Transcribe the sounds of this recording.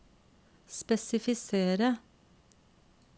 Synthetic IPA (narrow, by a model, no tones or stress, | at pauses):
spɛsɪfɪseːɾə